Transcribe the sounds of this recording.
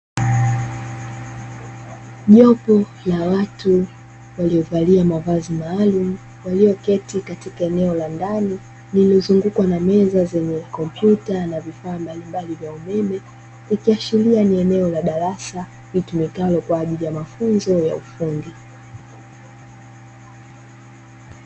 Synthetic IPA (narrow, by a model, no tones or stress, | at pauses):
ʄɔpɔ | lawatu | waliɔvaliamavazimaːlumu | waliɔkɛtikatikaɛnɛɔlandani | nilɔzuŋɡukwanamɛzazɛɲɛkɔmpjutanavifaːmbalimbalivjaumɛmɛ | likiaʃilianiɛnɛɔlaɗaɾasa | vitumikalɔkwaːʄilijamafunzɔja̰ufundi